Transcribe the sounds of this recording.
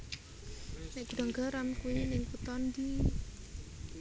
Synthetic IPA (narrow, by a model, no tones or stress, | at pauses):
nɛʔɡ̥ɖaŋɡaɾankuinɪŋput̪ɔnd̪i